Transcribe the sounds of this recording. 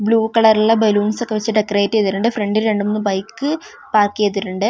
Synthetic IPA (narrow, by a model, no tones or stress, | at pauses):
bɭuːkɐɭɐruɭːɐbɐluːnsokːeʋɐt͡ɕːɨɖekːɐreːtːijɐðiɾuɳɖɨfreɳɖilɾeɳɖumonːɨbɐjkːɨ | paːrkːijɐðiɾuɳɖɨ